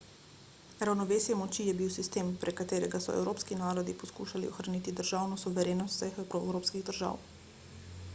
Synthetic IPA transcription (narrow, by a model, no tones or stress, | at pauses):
ɾawnɔʋeːsjɛmɔt͡ʃijɛbiwsist̪eːmpɾɛkat̪eːɾɛɡasɔ̰ɛ̰wɾoːpskinaːɾɔd̪ipɔskuːʃalḭɔxɾanit̪id̪əɾʒaːwnɔsuʋɛɾeːnɔt̪sɛxɛwɾowɾoːpskiɣd̪əɾʒa̰ːw